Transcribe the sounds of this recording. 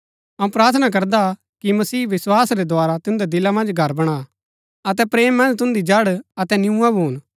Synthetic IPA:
ɐũpɾaːɾt̪ʰənak̬ɐɾd̪a | kimɐsiːʋɪswaːsɾɛd̪ʱwaːɾat̪ɪʊ̃nd̪ɛd̪ɪlamɐ̃nd͡ʒɡʱɐɾbɐɽ̃a | ɐt̪ɛpɾeːmːɐ̃nd͡ʒt̪ʊ̃nd̪id͡ʒɐɽɐt̪ɛnɪjũãbʱuːn

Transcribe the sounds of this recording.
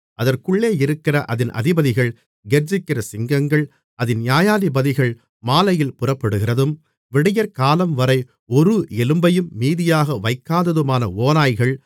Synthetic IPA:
ʔɐðɐrkɯɭːeːɪɾɯkːɪrɐʔɐðɪnʔɐ̰ðɪbɐðɪɣɐɭ | ɡɛɾd͡ʒɪkːɪɾɐsɪŋɡɐŋɡɐɭ | ɐðɪnnjaːjaːðɪbɐðɪɣɐɭ | maːlɐjɪlpʊrɐpːɛɽɯɣɪrɐðɯm | ʋɪɽɐjɐɾkaːlɐmʋɐɾɐɪ | ɔɾɯɛlɯmbɐjɯmːiːðɪjaːɣɐʋɐɪkːaːðɐðɯmaːnɐoːnaːjɣɐɭ

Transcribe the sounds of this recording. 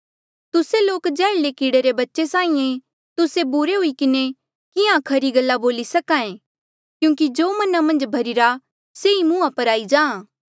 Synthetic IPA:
t̪ʊseloːkd͡ʒɛːɭlekiːɽeɾebɐtːʃesãːĩẽ | t̪ʊsebuɾeɦuikɪne | kɪãkʰɐɾiɡɐlːaboːlisɐkãẽ | kjũːŋkid͡ʒoːmɐnamɐ̃nd͡ʒbʱɐɾɪɾa | seimũːãpɐɾaːid͡ʒãːã

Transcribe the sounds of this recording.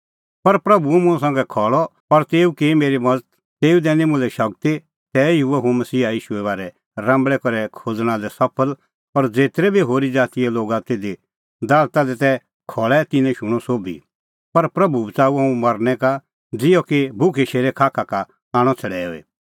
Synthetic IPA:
pɐɾpɾɐbumʊ̃s̬ãːŋɡɛkʰɔːɭɔpɐɾt̪eːukemeːɾimɐdət̪ | t̪eːud̪ɛːnĩmʊ̃lɛʃɐk̚t̪i | t̪ɛjɪɦuɛɦomɐsiːaiːʃuɛβaːɾɛ | ɾãːmbɭɛkɔɾɛkʰoːd͡zɽ̃ãd̪ɛsɐpʰəl | pɐɾd͡zeːt̪ɾɛbʱiɦoːɾid͡zaːt̪iɛloːɡat̪eːd̪i | d̪aːlt̪ad̪ɛt̪ɛ | kʰɔːɭɛt̪ɪ̃nɛ̃ʃʊɽ̃ɔsoːbʱḭ | pɐɾpɾɐbubət͡saːuãːũmɐɾnɛ̃ka | d͡zɪjɔkibʱʊkʰeʃeːɾɛkʰaːkʰaka | aːɽ̃ɔt͡sʰɐɽɛːo̰ːḛː

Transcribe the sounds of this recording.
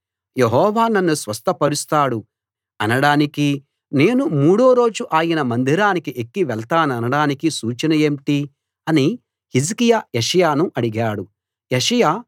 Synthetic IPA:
jeɦɔːʋaːnɐnːusʋɐst̪ʰɐpɐɾust̪aːɽu | ɐnɐɽaːniki | ne̞ːnumuːɽo̞ːɾo̞ːd͡ʒuʔaːjinɐmɐnd̪ʱiɾaːnikiʔekːiʋɛɭt̪aːnɐnɐɽaːnikisuːt͡ʃɐnɐjeːmʈi | ɐni | hizkijaːjeʃɐjaːnuʔɐɽiɡaːɽu | eʂɐjaː

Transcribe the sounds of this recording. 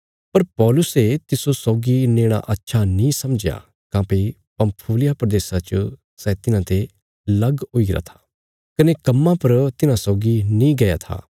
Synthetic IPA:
pɐɾpɔːlʊset̪ɪsosɔːɡineːɽ̃a̰ʔɐtːʃʰanĩsɐmd͡ʒja̰ | kãːpe | pɐ̃mpʰuːlɪjapɾɐd̪eːsat͡ʃ | sɛt̪ɪnãt̪e | lɐɡɦoiɡɪɾa̰t̪ʰḁː | kɐnekɐmːãpɐɾt̪ɪnãsɔːɡinĩɡɐja̰t̪ʰa̰ː

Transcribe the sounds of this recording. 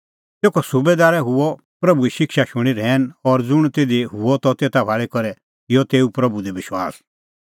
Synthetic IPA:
t̪eːkʰɔsubed̪aːɾɛɦʊɔ | pɾɐbuiʃɪkʃaʃʊɽ̃iɾɛːnɔɾd͡zʊɽ̃t̪eːd̪iɦuɔt̪ɔt̪eːt̪abʱaːɭikɔɾɛ | ɪjɔt̪eːupɾɐbud̪ɛbɪʃwa̰ːs

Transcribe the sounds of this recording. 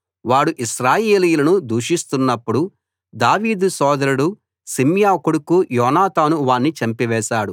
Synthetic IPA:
ʋaːɽuʔiʃɾaːjeːlijlɐnud̪uːʂist̪unːɐpːuɽu | d̪aːʋiːd̪usɔːd̪ɐɾuɽu | simjaːkuɽukujɔːnaːt̪aːnuʋaːnːit͡ʃɐmpiʋɛːʃaːɽu

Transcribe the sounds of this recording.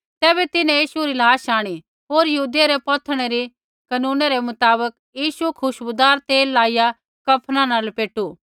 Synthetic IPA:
t̪ɛːbɛt̪ɪnẽjiːʃuɾilaːʃaːɽ̃i | ɦoːɾjɐɦuːd̪jaɾepɔt̪ʰəɽ̃ɛɾi | kɐnũːnaɾemʊt̪aːbək | jiːʃukʰʊʃbʊd̪aːɾt̪eːlːaːɪja | kɐpʰnãnaːlpeːʈu

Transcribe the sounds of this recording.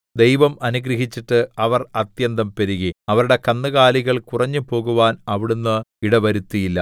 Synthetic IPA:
d̪ejʋɐmɐnuɡɾɐɦit͡ɕːiʈːɨɐʋɐrɐt̪jɐnd̪ɐmpeɾiɣiɐʋɐɾuɽe̞kɐnːɐɣaːliɣɐɭkurɐɲːɨpo̞ːɣuʋaːnɐʋiɽunːɨiɽɐʋɐɾut̪ːijilːɐ

